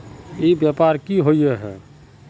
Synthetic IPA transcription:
ebjapaɾkiɦojeɦɛ̰

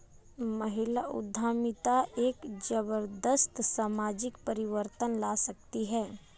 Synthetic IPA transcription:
mɐɦɪlaʔʊ̰d̪ʱːaːmɪt̪aʔeːkd͡ʒəbəɾd̪əst̪saːmaːd͡ʒɪkpəɾɪʋəɾt̪ənlaːsɐk̚t̪iɦɛː

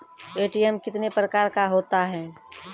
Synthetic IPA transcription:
eːʈiɛmkɪt̪nepɾəkaːɾkaɦoːt̪aɦɛ̃ː

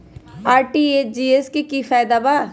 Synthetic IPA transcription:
aːɾʈied͡ʒiːeskekifɛːjd̪aba

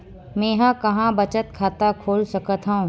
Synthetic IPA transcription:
mɛ̃ːɦãkɐɦãbɐt͡ʃət̪kʰaːt̪akʰoːlsɐkət̪ɦaũ

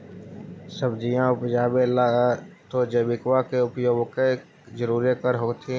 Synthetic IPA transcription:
səbd͡ʒijãʊpd͡ʒaːbelat̪od͡ʒebɪkwakeʊpjoːɡke | d͡ʒəɾuːɾikəɾɦoːt̪ʰĩ

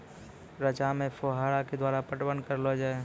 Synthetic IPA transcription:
ɾət͡ʃamẽpʰoːɦaːɽaked̪waːɾapəʈwənkəɾlod͡ʒae

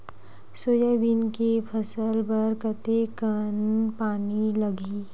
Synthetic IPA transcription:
soːjəbinkepʰəsəlbəɾkət̪ekənpaːniləɡʱiː

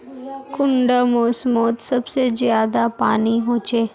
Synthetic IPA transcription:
kʊɳɖamoːsmɔːt̪sɐbsezjaːd̪apa̰ːniɦoːt͡ʃeː

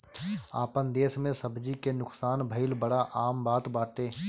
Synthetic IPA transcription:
aːpənd̪eːsmẽsəbd͡ʒikenʊksaːnbʱəɪlbəɽaʔaːmbaːt̪baːʈ̪eː

